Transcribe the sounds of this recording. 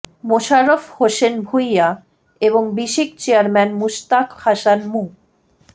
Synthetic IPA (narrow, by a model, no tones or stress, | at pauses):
moʃaɾofhoʃenbʱujːa | eboŋbiʃikt͡ɕeaɾmɛnmuʃt̪akhaʃanmu